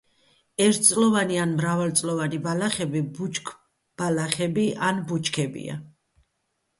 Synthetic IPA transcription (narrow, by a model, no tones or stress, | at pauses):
ɛɾt̪̚ʰt̪sʼlɔvanianmɾavalt̪sʼlɔvanibalaχɛbibut͡ʃʼkʰ | b̥alaχɛbiʔanbut͡ʃʼkʰɛbḭa̰